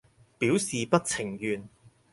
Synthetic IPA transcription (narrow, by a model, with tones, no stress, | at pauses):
piː˨˥wsiː˨pɐ˥t̚t͡sʰɪ˨˩ŋjyː˨˧n